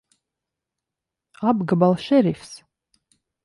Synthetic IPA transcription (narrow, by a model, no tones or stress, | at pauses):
abɡabalˠʃɛɾifs